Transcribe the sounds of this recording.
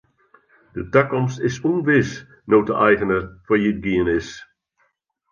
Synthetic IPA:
d̥ətakɔmstɪsunʋɪs | nowtəʔɛjɣənəfɔjid̚ɡiənɪs

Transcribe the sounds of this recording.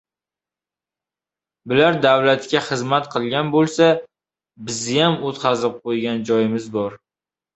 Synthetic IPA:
bɪlaɾd̪awlat̪kʲaχɨzmat̪qʰɨlˠɡʲanbolˠsa | bɪzɪjamot̪qʰɑzɪp̚qʰojɡʲand͡ʒɒjɪmɪzbɒɾ

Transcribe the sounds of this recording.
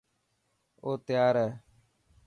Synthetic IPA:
oːt̪ɪjaːɾɛː

